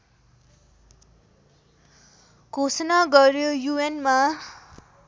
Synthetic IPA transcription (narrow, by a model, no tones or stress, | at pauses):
kosnaɡʌrjojuenma